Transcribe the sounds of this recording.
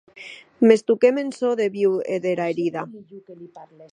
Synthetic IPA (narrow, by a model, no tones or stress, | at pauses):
me̞st̪ukemẽnsoðeβiweðeɾaeɾiða